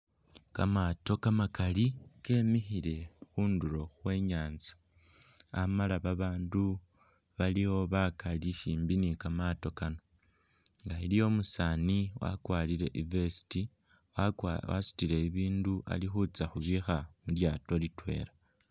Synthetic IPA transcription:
kamato̞kamakalike̞ːmixiɾe̞xuːnduɾo̞xwe̞ːɲaːnzi̥ | a̰malaβaβaːndu | βaliwo̞βakaliʃiːmbinikamato̞kano̞ | ŋɡailijo̞musaːniwa̰kwaːliɾe̞ʔivesi̥ti | wa̰si̥tiɾe̞iβiːnduʔa̰lixut͡saxuβixamuljaːto̞litwe̞̰ːɾa

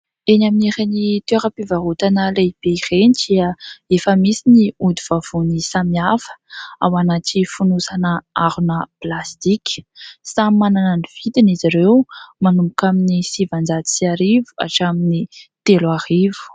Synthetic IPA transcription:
enaminiɾenit̪ueɾəpivaɦut̪anəleib̥eirenidiəefəmisiniud̪uv̥av̥unisamiafə̥awanatifunusanəaɾunəplast̪ikʲsamanananiv̥it̪iniziɾewmanumukaminisivand͡zad̪i̥siaɾivu̥a̰ʈ͡ʂaminit̪elarivu̥

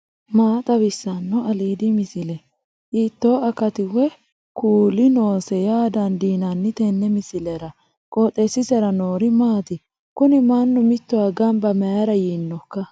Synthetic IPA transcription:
maːt̪ʼɐbɪsːɐnːɔɐliːd̪ɪmɪsɪlɛ | ʔiːt̪ːo̞ːɐkɐt̪ɪwɛ | kuːlɪno̞ːsɛjaːd̪ɐnd̪iːnɐnːɪt̪ɛnːɛmɪsɪlɛɾɐ | kʼoːt̪ʼːɛsɪsɛɾɐnoːɾɪmaːt̪ɪ | kʊnɪmanːʊmɪt̪ːɔwaɡɐmbɐmɐjɐɾɐjinːɔkːɐ

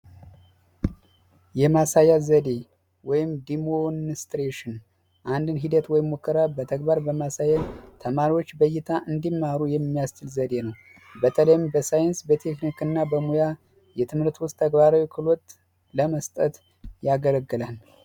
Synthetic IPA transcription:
jɛmasajazəd̪e̞ | wɔjɪmd̪imonst̪ɾeʃɪn | ʔand̪ɨnɦid̪ət̪wɔjɪmːokːəɾabət̪ʰəkbaɾbəmasajat̪ʰəmaɾiwo̞t͡ʃːbəjːɪt̪ʰaʔɨnd̪imːaɾujɛmːijast͡ʃːɨlzəd̪e̞nəw | bət̪ʰələjɪmbəsajɛnsbət̪ʰe̞knikɨnːabəmuja | jɛt̪ʰɨmhɨɾt̪wʊst̪ʰːəɡbaɾawikʰɨlot̪ | ləməst̪ʼət̪ | jaɡələɡːɨlal

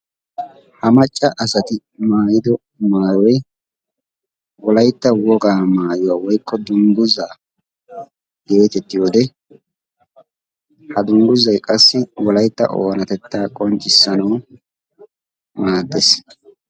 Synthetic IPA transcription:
hɐmɐt͡ʃʼːɐʔɐsɐt̪ɪ | maːjɪd̪ɔ | maːjɔj | wɔlɐjt̪ːɐwɔɡaːmaːjʊwaːwɔjkʰːɔd̪ʊŋɡʊzaː | d̪̥ɪoːt̪ɛt̪ːɪjoːd̪ɛ | hɐd̪ʊŋɡʊzɐjkʼɐsːɪwɔlɐjt̪ːɐ̰ʔoːnɐt̪ɛt̪ːaːkʼɔnt͡ʃʼːɪsːɐnɐw | maːd̪ːes

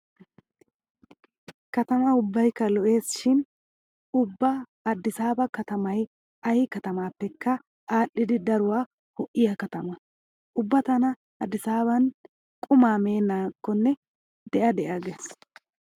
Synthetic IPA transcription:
kɐt̪ɐmɐʊbːɐjkːɐlɔʔe̞ːsʃɪn | ʊbːɐː | d̪ːɪsaːbɐkɐt̪ɐmɐj | ɐjɪkɐt̪ɐmaːpːɛkːɐ | ʔaːʔɪd̪ɪd̪ɐɾʊwaː | hɔʔɪjɐkɐt̪ɐmɐ | ʔʊbːɐt̪ɐnɐ | ɐd̪ːɪsaːβɐn | kʼʊmaːme̞ːnaːkːɔnːɛ | d̪̥ɛʔɐd̪ɛʔaɡes

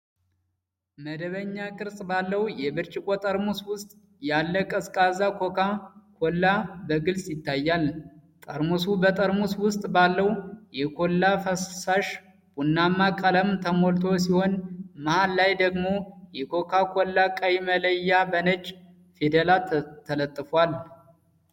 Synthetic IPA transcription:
məd̪əβəɲːakʼɨɾsʼbalːəwjɛbɨɾt͡ʃʼɪkʼo̞t̪ʼəɾmuswʊst̪ʼ | jalːəkʼəskʼazakʰo̞kʰakʰolːabəɡɨlsʼjɪt̪ʰːajːalt̪ʼəɾmusubət̪ʼəɾmuswʊst̪ʼbalːəwjɛkʰo̞lːafəssaʃ | b̥unːamːakʼələmt̪ʰəmolt̪ʰo̞s̬iho̞nmahalːajd̪əɡmo̞jɛkʰo̞kʰakʰolːakʼajimələjːabənət͡ʃʼ | fed̪elat̪ʰːələt̪ʼːɨfwal

